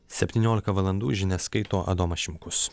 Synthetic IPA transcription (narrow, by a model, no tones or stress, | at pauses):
sʲɛpʲt̪ʲiːnʲoːlʲɪkɐʋɐlˠɐnd̪uːʒʲɪnʲɛskɐɪt̪oːʔɐ̰d̪oːmɐʃʲɪmkʊs